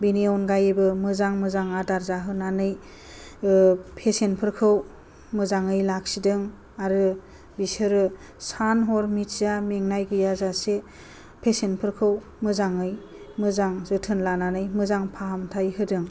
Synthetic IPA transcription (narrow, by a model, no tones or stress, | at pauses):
bineɔnɡajebɯmɯzaŋmɯzaŋadaɾzaɦɯnanɯj | pʰesenpʰɯɾkʰɯw | mɯzaŋɯjlak̚sidɯŋ | aɾɯ | bisɯɾɯ | sanɦɔɾmitzameŋnajɡɯjazase | pʰesenpʰɯɾkʰɯw | mɯzaŋɯj | mɯzaŋzɯtʰɯnlananɯjmɯzaŋpʰaɦamtʰajɦɯdɯŋ